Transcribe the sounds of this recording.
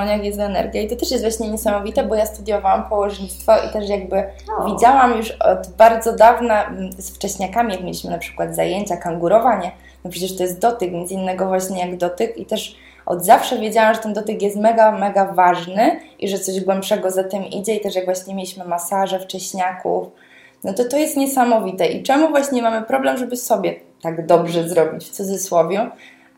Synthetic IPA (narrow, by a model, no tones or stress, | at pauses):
ɲjakjɛzt̪ɛnɛ̰ɾɡʲjait̪ɔt̪ɛʂjɛst̪vwaɕɲɛɲɛsamɔvʲit̪ɛbɔjast̪ud̪ʲjɔvawampɔwɔʐɲit̪st̪fɔʔḭt̪ɛʂjaɡ̚bɘvʲid͡ʑawamjuʂɔ̰d̪baɾd̪zɔd̪avnasft͡ʂɛɕɲakamʲijakmʲjḛlʲiɕmɘnapʂɘ̥kwad̪zajeɲt͡ɕakaŋɡuɾɔvaɲɛ | d̪ɔpʂɛt͡ɕɛʂt̪ɔjɛst̪̚d̪ɔt̪ɘkmʲɛnsinːɛɡɔvwaɕɲɛjaɡd̪ɔt̪ɘkit̪ɛʂ | ʔɔ̰d̪zafʂɛvʲjed͡ʑawɛmʐɛt̪ɛnd̪ɔt̪ɘkjɛst̪mɛɡamɛɡavaʐnɘʔiʐɛt̪sɔʑɡwɛmpʂɛɡɔzat̪ɛmḭd͡ʑɛit̪ɛʂjaɡvwaɕɲɛmʲelʲiɕmɘmasaʐɛft͡ʂɛɕɲakṵf | nɔt̪ɔt̪ɔjɛst̪ɲɛsamɔvʲit̪ɛʔḭt͡ʂɛmuvwaɕɲɛmamɘpɾɔblɛmʐɛbɘsɔbʲjɛ | t̪aɡd̪ɔbʐɛzɾɔbʲit͡ɕft̪sud̪zɘswɔvʲju